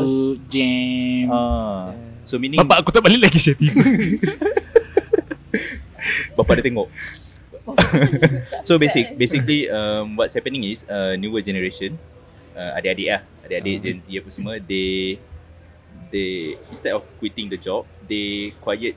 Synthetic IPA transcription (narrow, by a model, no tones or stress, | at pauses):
d͡ʒɛa | somĩnĩbaŋaʔkot̪aʔbaliʔlakisəpip | bapaʔdət̪ɛŋɔʔ̚ | sobesik̚besikliəmwɔtshɛpənĩŋisənjuəd͡ʒɛnəɹeʃə̃n | ə̃a̰deadeʔah | adeaded͡ʒɛ̃nsiapəsəməde | deĩnst̪ɛtɔfkwit̪ĩŋdəd͡ʒɔp̚dekwajət̚